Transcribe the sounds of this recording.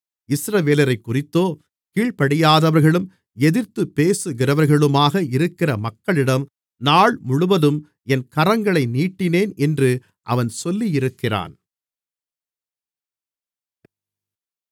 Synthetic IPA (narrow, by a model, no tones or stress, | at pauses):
ɪsɾɐʋeːlɐɾɐɪkːʊrɪt̪ːoː | kiːɭpɐɽɪjaːðɐʋɐɾɣɐɭɯm | ɛðɪɾt̪ːɯpːeːsɯɣɪɾɐʋɐɾɣɐɭɯmaːɣɐɪɾɯkːɪrɐmɐkːɐɭɪɽɐm | naːɭmʊɻʊʋɐðɯm | ɛnkɐɾɐŋɡɐɭɐɪniːʈːɪneːnɛndrɯ | ʔɐ̰ʋɐnsɔlːijɪɾɯkːɪra̰ːn